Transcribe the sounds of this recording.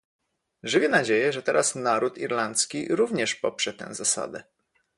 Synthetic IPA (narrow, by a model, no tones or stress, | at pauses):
ʐɘvʲɛnad͡ʑejɛʐɛt̪ɛɾʔasnaɾut̪iɾlant̪skʲiɾuvɲɛʂpɔpʂɛt̪ɛ̰̃w̃zasa̰d̪ɛ